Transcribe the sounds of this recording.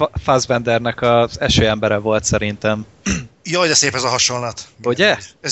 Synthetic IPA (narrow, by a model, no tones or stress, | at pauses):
fazvɛnd̪ɛrnɛkɒzɛʃøːɛmbɛɾɛvo̞lt̪sɛɾint̪ɛm | jɒːd̪ɛseːpɛzɒɦɒʃonlɒt̪uɟɛɛ